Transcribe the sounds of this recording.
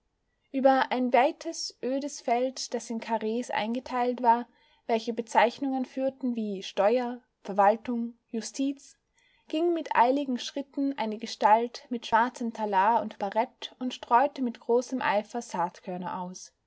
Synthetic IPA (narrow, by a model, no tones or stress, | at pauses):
ʔyːbɐʔaɪnvaɪtʰəsʔøːdəsfɛltd̥asɪnkʰaʁeːsʔa̰ɪnɡətʰaɪltv̥aːɐ | vɛlçəbət͡saɪçnʊŋənfyːɐtn̩viːʃtɔʏɐ | fɛɐvaltʊŋjʊstʰiːt͡s | ɡ̥ɪŋmɪtʔa̰ɪlɪɡŋ̩ʃʁ̥ɪtn̩ʔa̰ɪnəɡəʃtaltmɪtʃv̥aɐt͡səmtʰalaːʊntb̥aʁɛtʊntʃtʁ̥ɔʏtəmɪtɡ̥ʁoːsəmʔa̰ɪfɐzaːtkʰœɐnɐ̰ʔaʊs